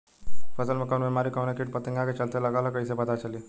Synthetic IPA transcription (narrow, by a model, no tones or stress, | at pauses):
fəsəlmɐkaːɳbemaːɾikaːnekiʈ̚pət̪əŋɡãket͡ʃəlt̪elɐɡalakəisepət̪at͡ʃəli